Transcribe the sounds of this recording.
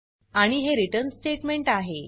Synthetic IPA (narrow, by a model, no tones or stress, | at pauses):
aɽ̃iɦeɾiʈəɾnsʈeʈmeɳʈaɦe